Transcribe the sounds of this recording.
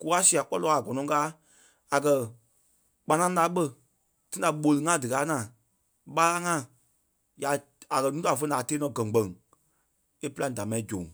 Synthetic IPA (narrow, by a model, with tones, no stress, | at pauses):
ku˨˦a˦si˧˨a˨k͡pɔ˦lɔː˧˦a˨ɡɔ˨nɔ̃˨˦kaː˨˦ | a˨kɜ˧ | k͡pã˧nã˦laː˨˦ɓə˦˧ | tĩ˦da˨ɓo˧lɨ˧ŋã˦˨dɨ˨kaː˨˦ŋãː˨ | ɓa˦la˦ŋã˦˨ | ja˨˦ | a˨kɜ˧nũ˦ta˨fə˧naː˨teː˦nɔ̃˧˨ɡɜ̃˨ŋ˨ɡ͡bɜ̃˨ŋ˨ | e˦pɨ˦lã˧˦˨da˨mã˨ĩ˦d͡ʒõ̰˨ŋ